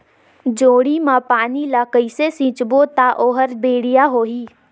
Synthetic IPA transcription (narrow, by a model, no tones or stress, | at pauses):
d͡ʒoːɽimãpaːnilakəisesĩːt͡ʃbot̪aʔoːɦəɾbeːɽijaɦoːɦiː